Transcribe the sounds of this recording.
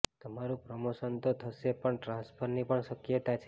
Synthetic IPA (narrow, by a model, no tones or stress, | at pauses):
t̪əmaɾũpɾəmoʃənt̪ot̪ʰəʃepəɳʈɾãnspʰəɾnipəɳʃəkjət̪at͡ʃʰe